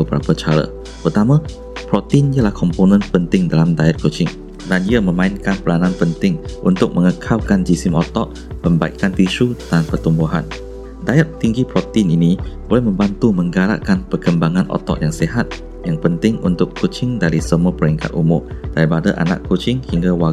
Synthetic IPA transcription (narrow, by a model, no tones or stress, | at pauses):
əbəɾa̰pət͡ʃaɾə̰ | pərt̪amã | pɾɔt̪iniəlahkʰɔmponə̃npənt̪ɪŋdalamdajat̪̚kot͡ʃɪŋ | daniəmə̃mãɪnkanpəlanãnpənt̪ɪŋʔunt̪ʊk̚mə̃ŋəkʰawkand͡ʒisɪmɔt̪ɔʔ | mə̃mbaikːant̪isud̥anpərt̪umbuɦan | dajat̪̚t̪iŋɡipɾɔt̪ininibolɛhmə̃mbant̪umə̃ŋɡaɾa̰ʔkanpərkəmbaŋãnʔɔ̰t̪ɔ̰ʔjaŋseɦat̪̚ | jaŋpənt̪ɪŋṵnt̪ʊkʰːot͡ʃɪŋdaɾisəmuapəɾɛŋka̰t̪ṵmʊ̰md̥aɾipadaʔa̰nã̰kʰːot͡ʃɪŋhiŋɡawa